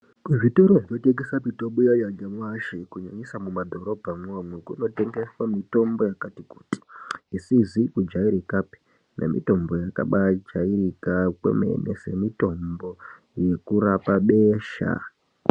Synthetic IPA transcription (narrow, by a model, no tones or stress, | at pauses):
kuʐitoɾoʐioteɡesapitoɓujajaɡamwaʃikuɲaɲisamumadʱo̞ɾo̞bʱamwomwekuno̞te̞ŋɡe̞swamito̞mbo̞jakatiku̥ti̥isizikud͡ʒaiɾikape̥ | ne̞̰mḭto̞mbo̞jaka̰ɓad͡ʒairikakwḛmḛnese̞mito̞mbo̞ | je̞kuɾapaɓe̞ːʃa̰